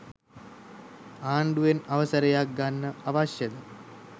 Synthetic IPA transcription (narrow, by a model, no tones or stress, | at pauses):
aːɳɖujenɐʋəsəɾɐjak̚ɡanːəaʋaɕjɐd̪ə